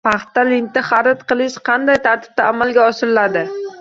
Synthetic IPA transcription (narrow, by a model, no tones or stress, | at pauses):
pʰɑχt̪ːalɪnt̪ɪχɑɾɪt̪qɨlˠɪʃqʰɑnd̪ajt̪ʰaɾt̪ʰɪ̥b̚t̪aːmalɡʲaɒʃɪɾɪlad̪ɪ